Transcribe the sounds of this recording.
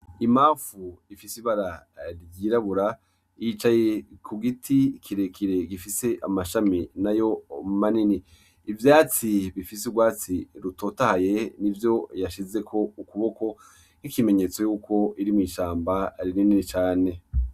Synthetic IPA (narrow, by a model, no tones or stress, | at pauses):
imaːfuifisiβaɾaɾiɟiɾaβuɾa | it͡ʃaje̞kʰuɡitʰikʰiɾe̞kʰiɾe̞ɡifise̞ʔamaʃaminajo̞manini | ivjaːt͡siβifis̬uɡwaːt͡siɾuto̞ːtahaje̞nivjo̞jaʃize̞kʰo̞ukuβo̞ko̞ | nikime̞ɲe̞t͡so̞juːko̞iɾimiʃaːmbaɾinininit͡ʃaːne̞